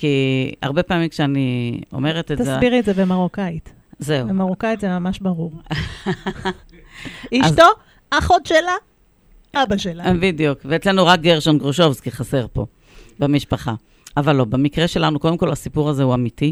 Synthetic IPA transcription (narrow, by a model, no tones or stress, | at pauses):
kia̰ʁbe̞pamimkʃeanio̞̰me̞ʁet̪etazsbiʁietzevemaʁokajt | zeuamaʁokajtzemamaʃbaʁuʁ | iʃzto | aχodʃela | abaʃelabid̪ijukveet͡slenuʁak̚ɡeʁʃonɡʁoʃo̞vskiχase̞ʁpo̞̰ | bemiʃpaχa | avalːo̞bemikʁeʃe̞lanuko̞d̪emko̞lasipuʁazeuamiti